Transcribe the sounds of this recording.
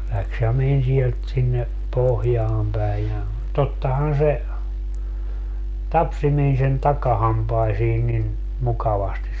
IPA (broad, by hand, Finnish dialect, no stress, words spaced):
læks jɑ men siɛlt sinːe pohjɑːm pæi jɑ totːɑhɑn se tɑpsi meni sen tɑkɑhɑmpɑisiː nin mukɑʋɑstis